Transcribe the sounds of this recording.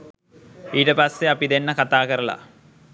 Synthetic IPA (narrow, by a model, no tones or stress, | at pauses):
iːɾepɐseɐpid̪enːɐkɐt̪ːaːkɐɾɐlɐ̰